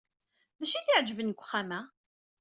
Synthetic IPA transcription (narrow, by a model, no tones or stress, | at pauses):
ðæʃiθiʕd͡ʒəvənkʷːχːamæ